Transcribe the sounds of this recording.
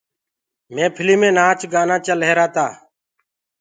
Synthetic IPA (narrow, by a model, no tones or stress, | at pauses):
mẽːpʰɪliːmẽːnaːt͡ʃɡaːnãːt͡ʃəlɦeːɾaːt̪aː